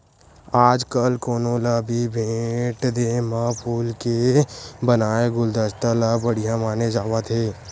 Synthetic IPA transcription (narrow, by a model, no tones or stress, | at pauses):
aːd͡ʒkəlkoːnoːlabʱibʱẽːʈd̪eːmãpʰuːlkebənaːeɡʊld̪əst̪alabəɽijãmaːned͡ʒaːʋat̪ʰeː